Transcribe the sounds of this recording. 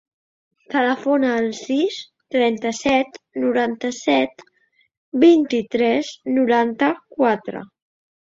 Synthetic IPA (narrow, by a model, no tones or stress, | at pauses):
t̪ələfonəːlˠsis | t̪ɾɛnt̪əsɛt̪nuɾant̪əsɛt̪ | bint̪it̪ɾɛznuɾant̪əkwat̪ɾə̰